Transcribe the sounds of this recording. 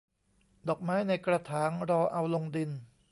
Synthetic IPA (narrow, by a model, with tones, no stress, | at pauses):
dɔː˨˩k̚maː˥jna˧jkɾa˧t̪ʰaː˩˦nɾɔː˧ʔa˧wlo˧ŋdi˧n